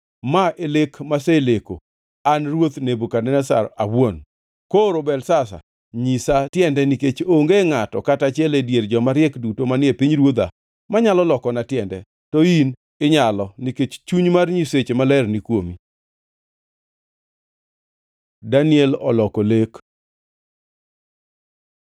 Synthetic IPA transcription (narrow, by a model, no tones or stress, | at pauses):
maʔelekmaseleko̰ | anrwot̪nebokanɛnɛsa̰ɾawon | koɾobɛlsasa̰ | ɲisatjɛndɛniket͡ʃoŋɡeŋatɔ̰katat͡ʃjɛledjerd͡ʒɔmaɾjɛkdutomanɪepiɲɾwod̪a̰ | maɲalɔlɔkɔnatjɛndɛ̰ | tɔin | ɪɲalɔniket͡ʃt͡ʃuɲmarɲiset͡ʃemalɛrnikwomi | danɪɛlɔ̰lɔkolek